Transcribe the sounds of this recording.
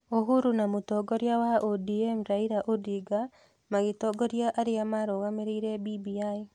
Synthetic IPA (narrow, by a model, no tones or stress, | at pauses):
oɦuɾunamotɔɡɔɾjawaʔodiɛmɾaiɾaʔodiɡa | maɣetɔɡɔɾjaʔaɾeamaɾoɣameɾeiɾɛbibiai